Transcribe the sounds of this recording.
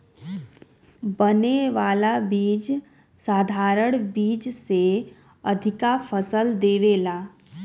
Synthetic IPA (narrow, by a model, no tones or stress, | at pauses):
bəneʋaːlabiːd͡ʒ | saːd̪ʱaːɾəɽ̃biːd͡ʒse | ɐd̪ʱɪkafʰəsəld̪eːʋeːlaː